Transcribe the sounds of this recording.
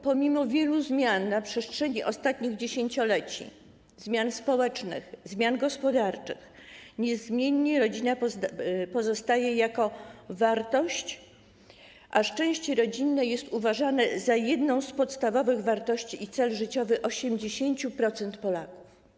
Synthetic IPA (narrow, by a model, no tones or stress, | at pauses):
pɔmʲimɔvʲjɛluzmʲjanːapʂɛstʂɛɲiʔɔst̪at̪̚ɲiɣd͡ʑeɕeɲt͡ɕɔlɛt͡ɕḭ | zmʲjanspɔwɛt͡ʂnɘ̰xzmʲjanɡɔspɔd̪aɾt͡ʂɘ̰xɲɛzmʲjeɲːɛɾɔd͡ʑina | pɔzɔst̪ajɛjakɔvaɾt̪ɔɕt͡ɕ | ʔaʂt͡ʂɛ̃w̃ɕt͡ɕɛɾɔd͡ʑinːɛjɛst̪uvaʐanɛzajɛd̪nɔ̃w̃spɔt̪st̪avɔvɘɣvaɾt̪ɔɕt͡ɕiːt̪sɛlʐɘt͡ɕɔvɘʔɔɕɛmd͡ʑeɕeɲt͡ɕupɾɔt̪sɛnt̪pɔlaku̥f